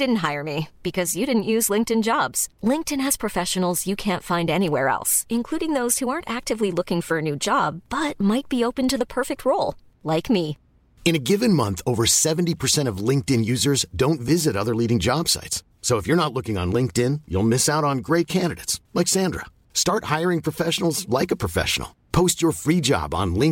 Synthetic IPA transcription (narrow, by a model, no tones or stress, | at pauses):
d̥ɪdⁿn̩t̚ɦaɪə˞mib̥ɨkʰʌzjɨɾɪdⁿn̩ʔjʉzlɪ̃ŋk̚tɨ̃nd͡ʒɑbz̥lɪ̃ŋk̚tɨ̃nɨz̥pʰɹ̥ɨfɛʃɨn̩l̩ˠzjɨkʰæ̃ntfãɪ̃ndɛniwɛ̰ɹɛ̰lˠsɨ̃nkʰl̥uɾɪ̃ŋðoʊz̥huɑɹntæk̚tɨvlilʊkɪ̃ŋfə˞ɨnʉd͡ʒɑbbʌt̚maɪt̚b̥ioʊpɨ̃ntɨðəpʰɜ˞fɪk̚t̚ʰɹoʊlˠ | laɪkmi | ɨ̃ñɨɡɪvɨ̃nmʌ̃nθoʊvə˞sɛṽn̩tipʰə˞sɛ̃ɾ̃ʌvlɪ̃ŋk̚tɪ̃njʉzə˞zdõʊ̃ntvɪzɨɾʌðə˞liɾɪ̃ŋd͡ʒɑb̥sa̰ɪts | soʊəfjə˞nətˡlʊkɪ̃ŋə̰̃nlɪ̃ŋk̚tɪ̃njṵlˠmɪsaʊɾn̩ɡɹeɪt̚kʰæ̃ndɨɾɨ̰ɪtslaɪksæ̃ndɹə̰ | stɑɹt̚haɪə˞ɪ̃ŋpʰɹ̥əfɛʃn̩l̩ˠzlaɪkəpʰɹ̥əfɛ̰ʃn̩̰l̩ˠpʰoʊst͡ʃə˞fɹid͡ʒɑ̰bn̩lɪ̃ŋ